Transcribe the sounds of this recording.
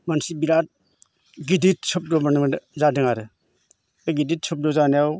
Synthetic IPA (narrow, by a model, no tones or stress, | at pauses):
mansibiɾat̚ | ɡidit̚sʰɯp̚dɔbanɯzadɯŋaɾɯ | ɡidit̚sʰup̚dɔzanijaw